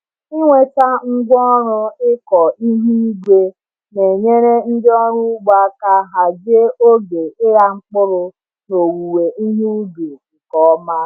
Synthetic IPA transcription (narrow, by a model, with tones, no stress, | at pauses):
ɪ˦ŋʷe˦ta˦ŋ̩˦ɡʷɔ˦ɾʊ˦ɪ˦kɔ˨i˦ɦi˦i˦ɡʷe˦ | ne˨ɲe˦ɾe˦n̩˦dɪ˦ɔ˦ɾu˦ɡ͡ba˦ka˦ɦa˨d͡ʒe˦o˦ɡe˨ɪ˦ɾa˦ŋ͡m̩˦k͡pʊ˦ɾʊ˦ | no˨wu˨we˨i˦ɦi˦u˦du˨kɔ˨ɔ˦ma˦